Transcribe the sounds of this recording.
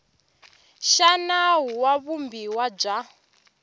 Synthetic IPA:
ʃanaɦuwaβumbiwab͡ʐa

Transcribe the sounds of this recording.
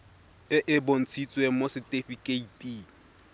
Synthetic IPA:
ɪʔɪbon̩t͡sʰit͡sʼwemosɪtʼɪfikʼeitʼi

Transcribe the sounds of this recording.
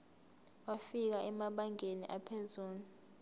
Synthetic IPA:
wafik̬aʔɛmaɓaŋʱeniʔapʰezuːnu

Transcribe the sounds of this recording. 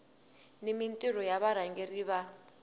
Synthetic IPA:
nimintʼirɔjaβaɾaŋɡeriːβa

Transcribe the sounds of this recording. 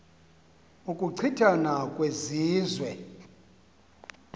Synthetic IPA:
ukʼuǀʰitʰanakʼweziːzwɛ

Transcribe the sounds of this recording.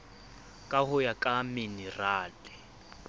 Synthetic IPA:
kʼahʊjakʼaminɛraːlɪ

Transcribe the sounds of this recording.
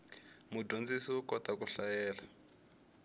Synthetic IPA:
mudond͡zisiukɔtakuɬajɛːla

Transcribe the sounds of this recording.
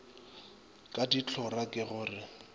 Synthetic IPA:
kʼadit͡ɬʰʊrakʼɪɣʊːrɪ

